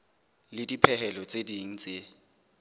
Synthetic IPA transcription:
lɪdipʰɛɦɛlɔt͡sʼediŋ̩t͡sʼe

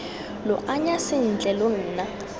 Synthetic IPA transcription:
lɔʔaɲasɪn̩d͡ɮʱɛlon̩ːna

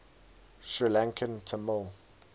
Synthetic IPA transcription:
ʃɹilãŋkʰə̃ntʰəmɪlˠ

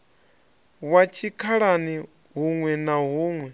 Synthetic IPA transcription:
wat͡ʃʰikʰaɺani | ɦuŋwɛnaɦuːŋwɛ

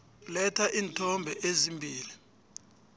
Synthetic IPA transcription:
lɛtʰaʔiːntʰɔmbʱɛʔezimbʱiːli

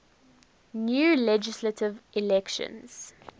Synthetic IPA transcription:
njuːlɛd͡ʒɪslətʰɪvʔɪlɛkʃə̰̃nz̥

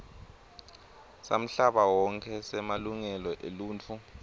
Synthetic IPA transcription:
sa̰m̩ɬaɓawɔŋkʰɛsɛmaluŋɛlɔʔeluːnt͡fʰu

